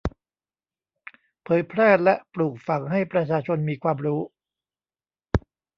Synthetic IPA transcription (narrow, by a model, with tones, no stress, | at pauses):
pʰɤː˨˦jpʰɾɛː˥˩lɛ˦˥ʔpluː˨˩k̚fa˩ŋɦa˥˩jpɾa˧t͡ɕʰaː˧t͡ɕʰo˧nmiː˧kʰwaː˧mɾuː˦˥